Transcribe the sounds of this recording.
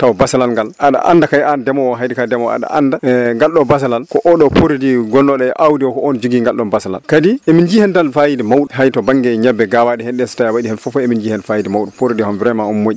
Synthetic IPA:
tawbasalalŋɡalʔaɗa̰ʔa̰ndakajandɛmɔwɔɦajdikadɛmɔa̰ɗa̰andaŋɡalɗɔbas̬alalkɔʔɔɗɔpoɾidiɡɔlːɔɗɛʔawdiɔkɔɔnd͡ʒuɡiŋɡalɗɔnbasala̰lkadiʔɛmind͡ʒihɛntalfajidimawɗiɦajtɔbaŋɡɛɲɛbːɛɡawaɗɛhɛnɗɛsi̥tajawaɗihɛnfɔfɔemind͡ʒihɛnfajidimawɗupoɾidihɔnviɾajmaɔnmoʔi

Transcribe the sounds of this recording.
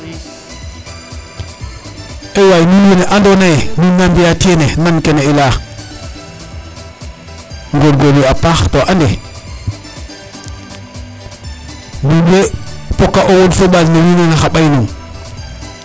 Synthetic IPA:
ewajmiwineʔandonaemiŋːambijatienemankeneila | ŋɡolɡoliapaxtoʔande | budepokːaʔoɣonfeɓaznewinanaxaɓajnu

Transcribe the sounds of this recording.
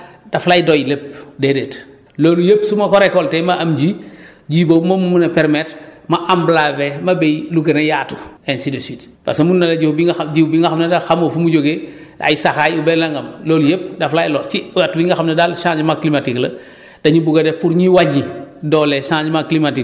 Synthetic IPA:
daflaːjidojilep̚dedet | loːlujepsumɐkɔɾekɔltɛmaamd͡ʒiɟiːbomomumunɐpɛɾmetmaʔamblavemɐbejluɡɐnɐjaːtu̥ensidosit | pa̰semunːɐlɐɟibiŋɟibiŋɡaxamnedalxamofumuɟoɡe | da̰jisaxajubelaŋɡɐmloːlujep̚daflajilɔt͡ʃiatːubiŋɡaxamnɐdalʃãːɲd͡ʒmaklimatiklɐ | d̥ɐɲubuɡɐdepuɾɲiwaɲːidɔleʃãːɲd͡ʒmaklimatik

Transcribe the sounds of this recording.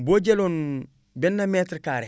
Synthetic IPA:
boɟelon | benːametɾkaːɾe

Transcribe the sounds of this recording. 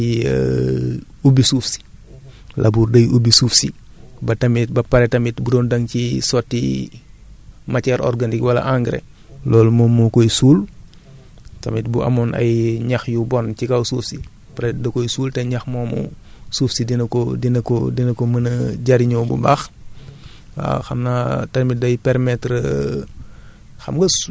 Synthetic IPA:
i | ubisuːfsi̥ | lʔɐbuːrdɐjʔubisuːfsi | bɐtɐmit̚bɐpɐɾɛtɐmitbudɔːndɐŋcisɔtːḭ | mɐcɛɾʔɔ̰rɡanikwɐlɐ̰ʔaŋɡɾḛ | lɔːlmɔmɔkɔjsuːl | tɐmit̚buʔɐ̰mɔnʔɐ̰jɲɐxjubɔncikawsuːfsi | paɾɛdɐkɔjsuːltɛɲɐxmɔːmɔ̰sufsidinɐkɔdinɐkɔ̰dinɐkɔmɐnɐɟaɾiɲɔbṵbax | wa̰xɐmnatɐmit̚dɐjpɛɾmɛtɾə | xɐmɡɐs

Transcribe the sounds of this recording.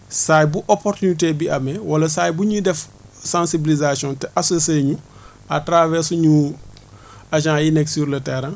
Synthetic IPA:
sajbuʔopoɾtunitebiʔɐmɛwɐlɐsaːjbuɲudɛf | sãnsibilizasjɔ̃ntɛʔasoseːɲu | atɾavɛsuɲu | aʃ̬ãjinɛksuɾlɐtɛɾã

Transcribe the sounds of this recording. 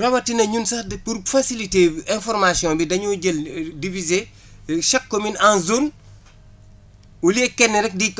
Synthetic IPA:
rɐwɐtinɐɲunsɐdpuɾfasiliteːbɛ̃nfɔɾmasjɔ̃mbidɐɲuɟəldivize | ʃɐkːominanzun | ulɛːkɛnːɛɾɛk̚di

